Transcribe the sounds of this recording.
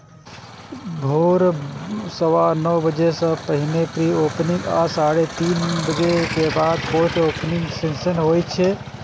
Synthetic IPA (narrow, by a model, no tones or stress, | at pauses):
bʱoɾsəwanəwbəd͡ʒesə̃pəɦinepɾiopnĩŋɡa̰saɾet̪inbəd͡ʒekebad̪̚koʈʰopniŋɡsensənɦojt͡ʃʰɛ